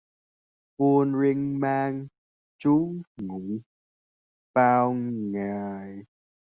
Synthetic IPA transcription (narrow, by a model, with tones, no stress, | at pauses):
ku˧ənɾi˧ŋmaː˧ŋ | t͡ɕu˦˥ŋŋu˨˦ | paː˧wŋaː˨˩j